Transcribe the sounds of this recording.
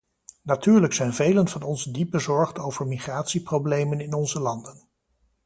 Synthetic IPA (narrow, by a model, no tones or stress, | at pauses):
natyːɹləksɛjnvejlənvɑnɔnzdip̚bəzɔɹχtowvəɹmiχraːtsiprowblejmənɪnɔnzəlɑndən